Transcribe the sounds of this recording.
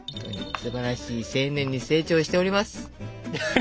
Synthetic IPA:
õnt̪o̰ɲ̟ḭsɨbaɾaɕiːsẽ̞ːnẽ̞ɲ̟ːise̞ːt͡ɕo̞ːɕi̥t̪e̞o̞ɾʲimasɨ̥

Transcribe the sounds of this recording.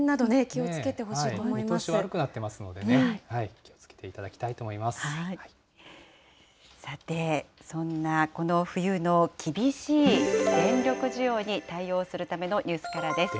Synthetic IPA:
nad̪onekʲio̞t͡sɨke̞t̪e̞ɦo̞ɕiːt̪oːmoimaoɕiβaaɾɯ̟kɯ̟nat̪ːe̞masɨno̞d̪enehaikʲiot͡sket̪eit̪ad̪akʲi̥t̪ait̪oːmo̞imasɨai | sat̪e̞sõ̞nːako̞no̞ɸɯ̟jɯ̟no̞kʲʰibʲiɕiːɡẽ̞ɲɾʲo̞kɯ̟ʑijo̞ːɲ̟it̪aio̞ːsɨɾɯ̟t̪ame̞no̞ɲ̟ɨːsɨ̥kaɾad̪e̞sɨ̥

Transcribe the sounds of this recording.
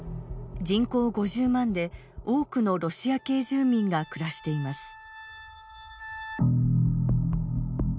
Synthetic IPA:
d͡ʑĩŋko̞ːɡo̞ʑɨːmãnd̪e̞ | o̞ːkɯ̟no̞ɾo̞ɕiake̞ːʑɨːmʲĩŋɡakɯ̟ɾaɕi̥t̪e̞imasɨ̥

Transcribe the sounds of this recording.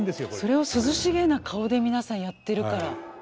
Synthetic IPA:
d̪esɨjoso̞ɾe̞o̞sɨzɨɕiɡe̞nakʰao̞d̪e̞mʲinasãɰ̃jat̪ːe̞ɾɯ̟kaɾa

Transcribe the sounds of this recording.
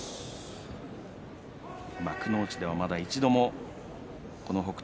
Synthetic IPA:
makɯ̟no̞ːt͡ɕid̪e̞β̞amad̪ait͡ɕid̪o̞mo̞ | ko̞no̞ɦo̞kɯ̥

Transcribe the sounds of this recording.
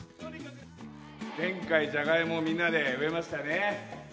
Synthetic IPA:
d͡zẽ̞ŋkaid͡ʑaɡaimo̞mʲĩnːad̪e̞ɯ̟e̞maɕi̥t̪ane

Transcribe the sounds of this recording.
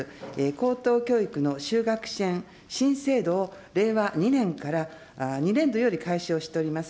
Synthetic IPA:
eko̞ːt̪o̞ːkʲo̞ːikɯ̟no̞ɕɨːɡakɯ̟̥ɕẽ̞ɰ | ɕĩɰ̃se̞ːd̪o̞ː | ɾe̞ːβaɲ̟inẽ̞ŋkaɾa | ɲ̟iɾẽ̞nd̪o̞jo̞ːɾʲikaiɕio̞ːɕi̥t̪e̞o̞ɾʲimasɨ̥

